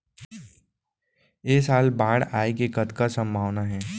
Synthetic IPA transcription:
eːsaːlbãːɽaːekekɐt̪kasɐ̃mbʱaːʋnaɦɛː

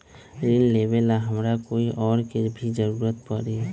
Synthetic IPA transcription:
ɾilːeːbelaɦəmɾakoːiʔɔːɾkebʱid͡ʒəɾuːɾət̪̚pəɾe

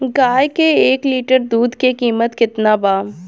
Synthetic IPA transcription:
ɡaːjkeeːkliːʈəɾd̪uːd̪kekiːmət̪kɪt̪nabaː

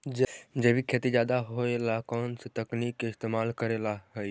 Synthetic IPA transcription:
d͡ʒd͡ʒəbʱikʰet̪id͡ʒaːd̪aɦoelakɔːnset̪əknikːeɪst̪emalkəɾelaɦəj

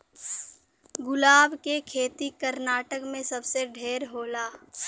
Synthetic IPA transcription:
ɡʊlaːbkekʰeːt̪ikəɾnaːʈəkmẽsəbseɖʱeːɾɦoːlaː

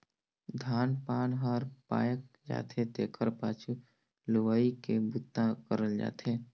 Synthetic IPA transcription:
d̪ʱaːnpaːnɦəɾpa̰ːjək̚d͡ʒa̰ːt̪ʰet̪eːkʰəɾpaːt͡ʃʰu | lʊʋaːikebut̪ːãkəɾəld͡ʒa̰ːt̪ʰe

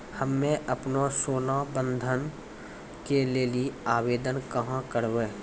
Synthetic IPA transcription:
həmːẽʔəpnosoːnabə̃nd̪ʱən | keleːliaːweːd̪ənkəɦãkəɾʋeː

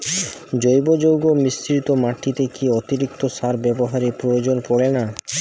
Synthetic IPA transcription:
d͡ʑojbod͡ʑowɡomist̪ɾit̪omaʈːit̪ekiot̪iɾik̚t̪osaɾbɛboɦaɾepɾojod͡ʑonpɔɽena

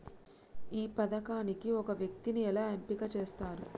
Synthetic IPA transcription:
iːpɐd̪ɐkaːnikiɔkɐʋjɐk̚t̪iniɛlaːempikɐt͡ʃeːst̪aːɾu

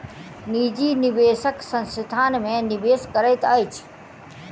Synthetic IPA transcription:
niːd͡ʑiːnɪʋeːsəksə̃nsɪt̪ʰaːnmẽnɪʋeːskəɾəjt̪əjt͡ʃʰ

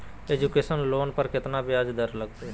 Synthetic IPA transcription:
eːd͡ʒukeːsənloːnpəɾkɪt̪nabʱjaːd͡ʒd̪əɾləɡ̚t̪e

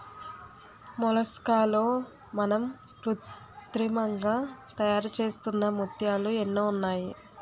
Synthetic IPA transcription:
mɔlɐskaːloː | mɐnɐm | tɾu | t̪ɾimɐŋɡaːt̪ɐjaːɾut͡ʃe̞ːst̪unːɐmut̪jaːluenːuːunːaːjḭ

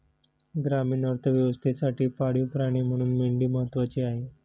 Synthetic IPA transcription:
ɡɾamiːɳəɾt̪ʰəʋjəʋəst̪ʰesaʈiːpaɽ̤upɾaɽ̃iːm̤əɽ̃uːnmeɳɖiːməɦət̪ːʋat͡ɕeaɦe

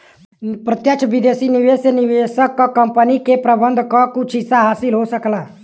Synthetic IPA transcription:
pɾət̪jəkt͡ʃʰbɪd̪eːsinɪʋeːsnɪʋeːsəkːɐmpənikepɾəbənd̪ʱkɔkʊt͡ʃʰɪsaɦaːsɪlɦosəklaː

